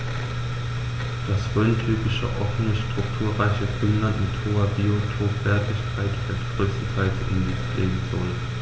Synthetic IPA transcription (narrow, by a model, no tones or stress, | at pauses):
d̥asʁøːntʰyːpɪʃə̰ʔɔfn̩əʃtʁ̥ʊktʰuːɐʁaɪçəɡʁyːnlantmɪthoːɐbiːotʰoːpv̥ɛɐtɪçkʰaɪtfɛstɡ̥ʁøːsn̩zʰaɪsʔɪ̰nniɡ̥lḛːbm̩z̥ɔl